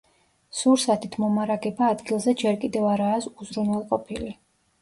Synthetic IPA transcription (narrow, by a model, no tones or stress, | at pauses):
suɾsat̪ʰit̪ʰmɔmaɾaɡɛbaːd̪ɡilˠzɛd͡ʒɛɾkʼid̪ɛvaɾaːsuzɾunwɛlˠqʼɔpʰili